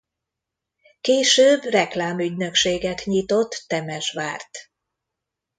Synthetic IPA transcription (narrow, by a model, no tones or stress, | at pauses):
keːʃøːbrɛklaːmyɟnøkʃeːɡɛt̪ɲit̪o̞t̪ːɛmɛʃʋa̰ːrt̪